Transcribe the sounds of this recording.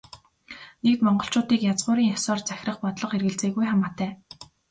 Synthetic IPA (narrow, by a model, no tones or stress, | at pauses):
nek̚t̪mɔɴɢɞ̆ɬt͡ɕʊːt̪iːkjat͡sʁʊːɾiːŋjasɔːrt͡sæxʲrə̆χpɔt̪ɮɞ̆χerɣɘ̆ɮt͡seːɣujχamaːt̪ʰæː